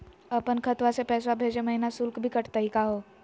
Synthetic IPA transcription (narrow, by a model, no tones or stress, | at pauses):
əpənkʰət̪ʋasepɛːs̬wabʱeːd͡ʒeməɦinasʊlkbʱikəʈt̪əɦikaɦoː